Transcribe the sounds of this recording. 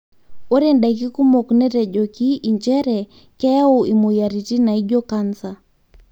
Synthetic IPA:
ɔ˦ɾɛ˨nda˨k̬i˦ku˦mɔ˨knɛ˦ɾɛ˨ʄɔ˨ki˦ʔi˨ɲd͡ʒɛ˦ɾɛ˨ | kɛ˦ja˦u˦i˨mu˨ja˨ɾi˨ti˦na˨i˦ʄɔ˦ka˦nsa˨

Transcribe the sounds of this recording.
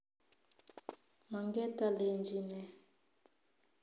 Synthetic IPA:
ma˨ŋɡɛ˦ta˦le˨nd͡ʒi˦nɛ˨

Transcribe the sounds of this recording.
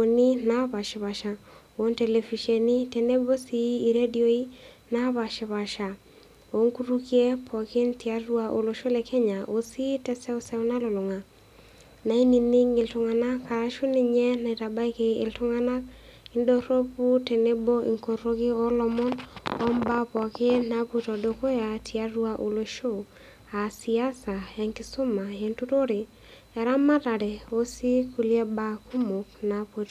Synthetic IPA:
o˨ni˦na˦pa˨ʃɪ˨βa˨ʃa˨ | o˨˦nte˨le˨fi˨ʃe˨ni˦tɛ˨ne˦bo˦siː˨˦˨ɾe˦di˨o˦i˦ | na˦βa˨ʃɪ˨βa˨ʃa˨ | o˨ŋku˦ɾu˦kje˦pʰɔ˨kɪ˦nti˨a˦rwa˦ʔo˨lo˨ʃo˦lɛ˨kʰɛ˦ɲa˨ʔo˨si˦tɛ˦sɛ˦sɛ˦wna˦lo˨lʊ˨ŋa˨ | na˨i˦ni˨nɪ˦ŋɪ˨ltʊ˨ŋa˨na˦kːa˨ɾa˦ʃu˦nɪ˨ɲɛ˦na˨i˨ta˨ba˦i˦ke˨ɪ̰˨ltʊ˦ŋa˦na˦k̚ɪndo˦ɾo˦pu˦tɛ˨ne˦bo˦ʔɪ̰˨ŋko˨ɾo˦ki˦ɔ˦lɔ˧mɔ˦nɔ˦mba˦pɔ˨ke˦na˦pu˦tɔ˨doko˦ja˨tʰia˦rwa˦ʔu˨lo˦ʃo˦ | a˨si˨a˦sa˨e˨ŋkɪ˦sʊ˦ma˨jentu˦to˦ɾi˨ | ɛ˨ɾa˦ma˦ta˨ɾɛ˨o˦si˦ku˨ljɛ˦ba˨ku˦mʊ˨knapu˨t

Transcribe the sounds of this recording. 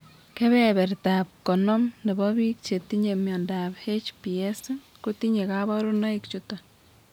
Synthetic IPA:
ke˦βɛβɛ˨ɾtap̚kɔ˨nɔ˦mne˨bɔ˦βi˦k̚t͡ʃe˨t̪i˦ɲe˨mjɔ˨ndaphe˦t͡ʃpie˦s | ku˦ti˦ɲe˨kaβɔ˦ɾu˦na˦ikt͡ʃuto

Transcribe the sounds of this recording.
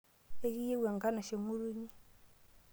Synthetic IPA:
e˦ɣi˦je˦wa˨ŋɡa˦na˨ʃe˨mu˦ɾu˦ɲi˦

